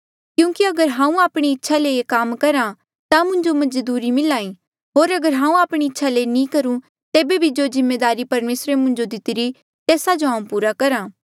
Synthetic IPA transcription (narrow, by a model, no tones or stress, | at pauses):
kjũːkiɐɡəɾɦãːũaːpɽ̃iɪtːʃʰaleekaːmkɐɾã | t̪amʊ̃ɲd͡ʒomɐd͡ʒd̪uːɾimɪlaːĩ | ɦoːɾɐɡəɾɦãːũaːpɽ̃iɪtːʃʰalenĩkɐɾũ | t̪eːbebʱid͡ʒoːzɪmːeːd̪aːɾipɐɾmeːsɾemʊ̃ɲd͡ʒod̪ɪt̪ɪɾi | t̪ɛːsad͡ʒoɦãːũpuːɾakɐɾaː